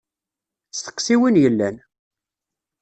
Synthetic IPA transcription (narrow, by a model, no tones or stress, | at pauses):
θə̥qːsiwinjəlːæn